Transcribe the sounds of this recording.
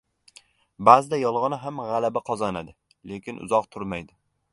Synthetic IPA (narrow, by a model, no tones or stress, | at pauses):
bazɪd̪ajɒlˠʁɑnɪɦamʁɑlabaqʰɒzanad̪ɪ | le̞kʲʰɪnʊ̰zɒqt̪ʰʊɾmajd̪ɪ